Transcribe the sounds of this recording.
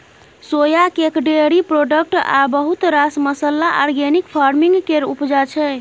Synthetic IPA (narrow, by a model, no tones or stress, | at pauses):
sojakekɖeɾipɾoɖək̚ʈa̰bəɦut̪ɾasməsəlːaʔaɾɡenikpʰaɾmiŋɡkeɾṵpd͡ʒat͡ʃʰɛ